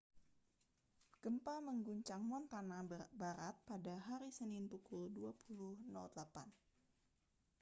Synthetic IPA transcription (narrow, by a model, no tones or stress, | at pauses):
ɡ̥əmpaməŋɡuɲt͡ʃaŋmɔnt̪anabaɾat̪̚padaɦaɾisəninpukʊlduapʰuluhnɔ̰lt̪lapan